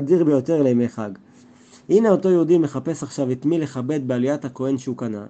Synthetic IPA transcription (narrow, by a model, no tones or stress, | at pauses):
diʁbejo̞te̞ʁlejmeχaɡ | ʔineo̞to̞joud̪ime̞χape̞saχʃavit̪mile̞χabe̞d̪̚bealijathako̞e̞nʃeukana̰